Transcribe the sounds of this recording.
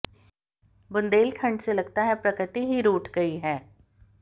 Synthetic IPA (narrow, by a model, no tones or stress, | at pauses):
bʊnd̪eːlkʰə̃ɳɖselɐɡt̪aɦɛpɾɐkɾɪt̪iɦiɾuːʈʰɡɐiɦɛː